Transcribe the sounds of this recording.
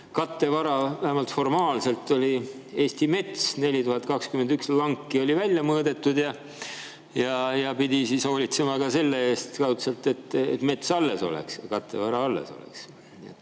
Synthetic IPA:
kɑt̪ːe̞vɑɾɑvæhæmɑlt̪fo̞rmɑːlse̞lt̪ːo̞lʲie̞ːst̪ime̞t̪sne̞lʲit̪uhɑt̪̚kɑkskymend̪ykslɑŋkːio̞lʲivælʲjɑmɤːd̪e̞t̪ːud̪̥jɑ | jɑjɑpid̪̥ʲisiso̞ːlʲit̪se̞mɑkɑse̞lːeeːst̪kɑwt̪selt̪ːe̞t̪ːḛt̪me̞t̪sɑlːe̞so̞̰lḛkskɑt̪ːˑe̞̰vɑɾɑɑlːḛso̞̰lḛks | niet̪ː

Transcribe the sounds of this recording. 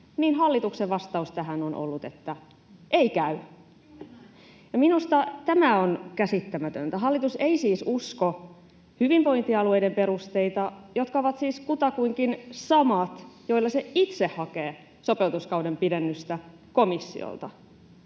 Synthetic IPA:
niːnɦɑlːit̪ukseʋʋɑst̪ɑust̪æɦænonʔo̰lːut̪et̪ːæ | ʔeikæy | jɑminust̪ɑt̪æmæonkæsit̪ːæmæt̪ø̰nt̪æɦɑlːit̪useisiːsusko | hyʋimpo̞jnt̪iɑlue̞jdempe̞ɾust̪e̞it̪ɑjot̪kɑoʋɑt̪siːskut̪ɑkuiŋkinsɑmɑt̪jo̞ilːɑseit̪sehhːɑkeː | so̞pe̞lt̪uskɑudempidenːyst̪æ | komisːḭo̰lt̪ɑ

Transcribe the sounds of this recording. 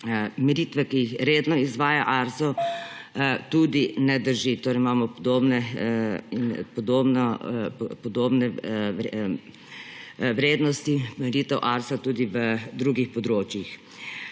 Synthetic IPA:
miɾiːt̪ʋɛkijixɾeːd̪nɔizʋaːjaʔaːɾsɔ | t̪ud̪inɛd̪əɾʒit̪oːɾɛimaːmɔpɔd̪oːbnɛ | inpɔd̪oːbnɔpɔd̪oːbnɛ | ʋɾeːd̪nɔst̪imɛɾiːt̪ɛwʔaːɾsat̪uːd̪iʋəd̪ɾuɡixpɔd̪ɾoːt͡ʃjix

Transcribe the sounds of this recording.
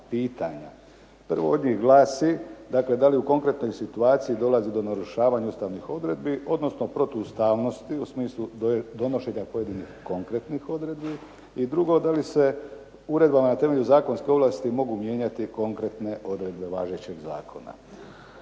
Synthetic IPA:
piːt̪aɲa̰ | pr̩ʋo̞̰o̞d̪ɲixɡlaːsid̪akle̞d̪aliuko̞ŋkɾe̞t̪no̞jsit̪uaːt̪sijid̪o̞lazid̪o̞naɾuʃaːʋaɲaust̪aʋnixo̞d̪ɾe̞d̪biʔo̞d̪no̞sno̞pɾo̞t̪ust̪aːʋno̞st̪iusmiːslˠud̪o̞no̞ʃe̞ɲapo̞je̞d̪inixko̞ŋkɾe̞t̪nixo̞d̪ɾe̞d̪bi | id̪ɾuɡo̞d̪alise̞ | uɾe̞d̪bamanat̪e̞me̞ʎuzaːko̞nskeo̞ʋlaːst̪imo̞ɡumje̞ːɲat̪iko̞ŋkɾe̞t̪ne̞ʔo̞d̪ɾe̞d̪be̞ʋaːʒet͡ɕe̞ɡza̰ːkʰo̞na̰

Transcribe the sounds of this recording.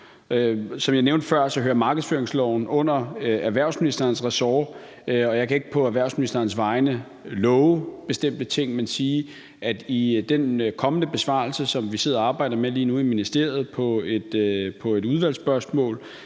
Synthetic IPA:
øsɒ̽mjɑ̈ɪneʊnd̥əfɶɐ̰sɒ̽ɦøːɐmɑ̈ːɡ̥əð̩ˠføɐeŋslɒʊn̩ɔ̽n̰ɐæɐʋæɐ̰ʊsminisd̥ɐːnsʁɛsɒː | ɒ̽jɑɪkʰæe̝ɡ̥əpʰɒ̽æʋæɐ̰ʊsminisd̥ɐnsʋɑ̈ɪnə | lɔʊb̥e̝sd̥em̰d̥ət͡sʰe̝ŋ̰mænsiː | ʔæd̥id̥enkʰɒ̽mənəb̥e̝sʋɑ̰̈lsəsɒ̽mʋise̝ð̰ˠɐɑ̈ːb̥ɑ̈ɪ̰d̥ɐmeliːnuiminisd̥e̝ɐ̰ð̞̩ˠpʰɒ̽e̝d̥pʰɒ̽e̝duð̞ˠʋæl̰sb̥ɶɐsmɔ̰̽ːl

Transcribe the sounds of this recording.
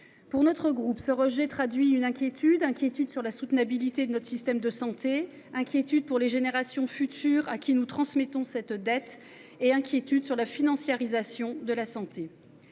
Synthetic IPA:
puʁnɔt̪χəɡʁupsəʁəʒɛt̪χad̪ɥiynɛ̃kʲjet̪ʰyd̪ɛ̃kʲjet̪yd̪syʁlasut̪nabilit̪ed̪ənɔt̪χəsist̪ɛmd̪əsɑ̃t̪e | ɛ̃kʲjet̪yd̪̚puʁleʒeneʁasjɔ̃fyt̪ʰyːʁakʲinut̪χɑ̃smɛt̪ɔ̃sɛt̪d̪ɛt̪ | eɛ̃kʲjet̪yd̪syʁlafinɑ̃sjaʁizasjɔ̃d̪əlasɑ̃t̪e

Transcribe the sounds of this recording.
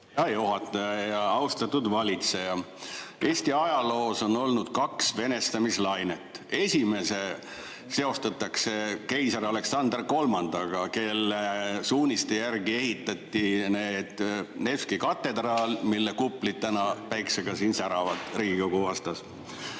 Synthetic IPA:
jɑjoɦɑt̪ːˑɑjɑjɑɑwst̪ɑt̪ːud̪vɑlʲit̪se̞jɑ | e̞ːst̪iɑjɑlo̞ːso̞no̞lnud̪̥kɑksve̞ne̞st̪ɑmislɑjne̞t̪ːˑe̞sʲime̞se̞ | se̞o̞st̪ɑt̪ːˑɑkse̞ke̞jsɑɾɑle̞ksɑnd̪rko̞lmɑnd̪̥ɑɡ̥ɑke̞lːesuːnʲist̪ejærɡie̞hit̪ˑːɑt̪ʲːine̞ːd̪̥neskikɑt̪ːˑe̞d̪̥rɑːlmilːekupːˑlid̪̥̚t̪ænɑpæjkseɡ̥ɑsiːnsæɾɑvɑd̪̥riːɡikoɡ̥uvɑst̪ɑs

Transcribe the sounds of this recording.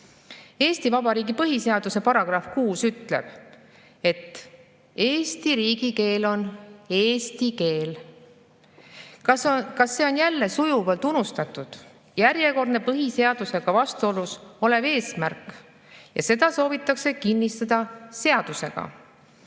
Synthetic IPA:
e̞ːst̪ivɑbɑɾiːɡipɤɦise̞ɑd̪̥use̞pɑɾɑɡ̥rɑfkuːsyt̪le̞̰b̥ | e̞t̪ːˑ | e̞ːst̪iɾiːɡike̞ːlo̞ne̞ːst̪ike̞ːl | kɑsːe̞o̞njælːe̞sujuvɑlt̪unust̪ɑt̪ːˑud̪̥ | jæɾje̞ko̞rd̪ne̞pɤɦise̞ɑd̪̥use̞ɡ̥ɑvɑst̪uo̞luso̞le̞ve̞ːsmærkːˑ | jɑ̰se̞d̪ɑso̞ːvit̪ːˑɑkse̞kinːist̪ɑd̪̥ɑse̞ɑd̪̥use̞̰ɡ̥ɑ̰

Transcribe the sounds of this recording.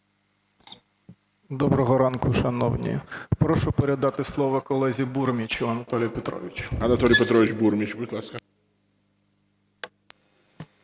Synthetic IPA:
d̪ɔbɾɔɦɔɾɑnkʊʃɐnɔ̰wnʲḭpɾɔʃʊpeɾʲɪd̪ɑt̪ɪslˠɔʋɐkɔlˠɛzʲiburmʲit͡ʃʊɐnɐt̪ɔlʲɪjpet̪ɾɔ̰ʋʲɪt͡ʃʊ̥ɐnɐt̪ɔlʲijpet̪ɾɔʋʲɪt͡ʃbuɾmʲit͡ʃbʊɪt̪lˠɑskɐ

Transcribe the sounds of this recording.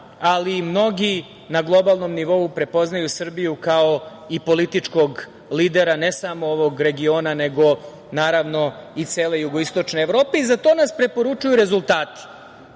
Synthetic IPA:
alimno̞ɡi | naɡlˠo̞balˠno̞mniʋo̞upɾe̞po̞znajusr̩bijukao̞ | ipo̞lit̪it͡ʂko̞ɡ | liːd̪e̞ɾane̞samooʋo̞ɡɾe̞ɡio̞ːnane̞ɡo̞ | naːɾaʋno̞it̪seːle̞juɡoist̪o̞t͡ʃneeʋɾo̞ːpe̞izat̪o̞naspɾe̞po̞ɾut͡ʃujuɾe̞zulˠt̪aːt̪i̥

